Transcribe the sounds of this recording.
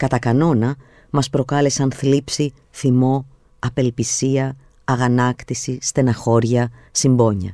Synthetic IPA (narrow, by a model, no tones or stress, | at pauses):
kɐt̪ɐkɐno̞nɐ | mɐspɾo̞kɐle̞sɐnθlipsi | θimo̞ | ɐpe̞lpisiɐː | ɣɐnɐkt̪isist̪e̞nɐxo̞ɾʝɐsimbo̞ɲɐ̰